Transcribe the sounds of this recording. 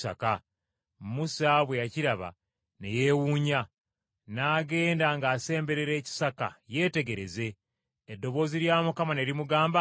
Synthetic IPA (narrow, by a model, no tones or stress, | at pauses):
sa̰ka | musaβwe̞jaciɾaβa̰ | nḛje̞ːwuːɲa | naːɡe̞ːndaŋɡaːse̞ːmbe̞ɾe̞ɾe̞ːci̥saka̰je̞ːte̞ɡe̞ɾe̞ze̞ː | dːo̞βo̞ːziɾjaːmukamane̞ɾimuɡaːmba